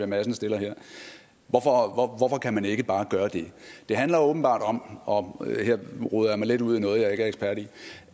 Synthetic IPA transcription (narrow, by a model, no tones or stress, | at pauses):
iɐmæsənəsd̥e̝lɐɦeɐ̰ | ʋɒfɒɒʋɒfɒ̽kʰæmæne̝ɡ̥əb̥ɑ̈ːɡ̥ɶːɐd̥e̝d̥e̝ɦænlɐɔ̽ːb̥n̩b̥ɑ̰̈ːd̥ɒ̽mʔɒ̽heɐ̰ʁuðˠɐjæɐmɑɪleduð̞̰ˠinɔ̽ːð̞̩ˠjɑ̈e̝ɡ̥æɐeɡspʰæɐ̰ɾ̥i